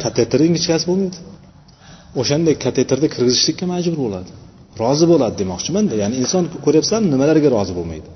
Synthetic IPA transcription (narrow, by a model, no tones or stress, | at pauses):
kʰat̪ʰet̪ɾɪŋɪt͡ʃkʲasɪbolˠmajd̪ɪ | oʃand̪akʰat̪ʰe̞t̪ɪɾd̪akʲʰɪɾɡʲɪzɪʃlɪkʲːamad͡ʒbʊɾbolˠad̪ɪ | ɾɒzɪbolˠad̪ɪd̪emɒχt͡ʃʰɪmand̪ajanɪɪnsɒnkʰɵɾjapsaamnɪmalaɾɡʲaɾɒzɪbolˠma̰jd̪ɪ